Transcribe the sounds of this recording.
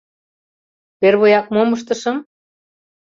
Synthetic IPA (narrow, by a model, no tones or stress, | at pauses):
βerβojɑk̚moməʃt̪ɤ̆ʃɤ̆m